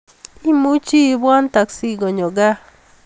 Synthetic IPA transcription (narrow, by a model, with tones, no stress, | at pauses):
i˦mu˦t͡ʃi˦˨bwa˦nt̪a˨ksi˦ɡo˨ɲo˨ɡa˦